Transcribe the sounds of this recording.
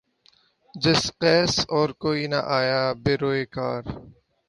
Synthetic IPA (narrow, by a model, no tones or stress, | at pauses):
d͡ʒɪsqɛːsɔːɾkoːinɐ̰ʔaːjaːbeɾoːeːka̰ːɾ